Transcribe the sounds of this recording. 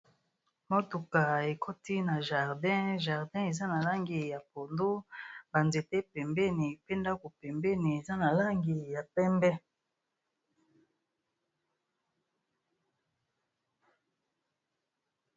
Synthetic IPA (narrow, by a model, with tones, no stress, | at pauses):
mo˦tu˨ka˨e˨ko˦ti˦na˨ʒa˨ʁdɛ̃˦ʒa˨ʁdɛ̃˦e˨za˦na˨la˦ŋɡi˨ja˨po˨ndo˦ba˨nze˨tɛ˦pɛ˨mbɛ˦ni˨pe˦nda˦ko˨pɛ˨mbɛ˦ni˨e˨za˦na˨la˦ŋɡi˨ja˨pɛ˦mbɛ˦